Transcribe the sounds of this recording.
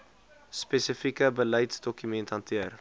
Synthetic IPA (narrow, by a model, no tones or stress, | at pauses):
spesəfikəbələjtsdɔkymɛntɦɐntʰiər